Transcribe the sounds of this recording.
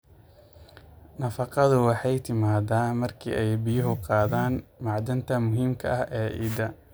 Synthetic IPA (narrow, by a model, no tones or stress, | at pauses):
nɐfɑqɑðʊwɑħɑjt̪ʰɪmaːd̪aːmɐrkʰḭːʔɛjbɪjʊɦʊqɑːðaːnmɑʕd̪ɐnt̪ʰɐmʊɦiːmkʰɐ̰ʔɐhɛːʔḭːd̪ɐ